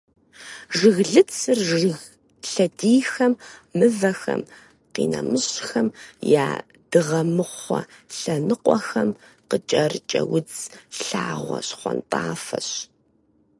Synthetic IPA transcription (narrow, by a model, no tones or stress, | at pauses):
ʒɨɣɮɨt͡sʰɨrʒɣ | ɬɐdiːxɐmːɨvɐxɐm | qḭːnɐmɨɕxɐmjaː | d̥ɨʁɐmɨχʷɔ | ɬɐnɨqʷʼɔxɐmqət͡ʃʼɐrt͡ʃʼɐwʊt͡sɬaːʁʷɔɕχʷɔnpʼaːfɐ̰ɕ